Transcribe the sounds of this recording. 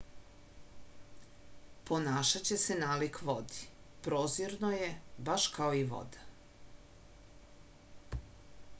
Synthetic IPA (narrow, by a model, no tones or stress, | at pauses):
po̞naːʃat͡ɕe̞se̞naːlikʋo̞d̪i̥ | pɾoːziɾnojebaʃkaoiʋo̰d̪ḁ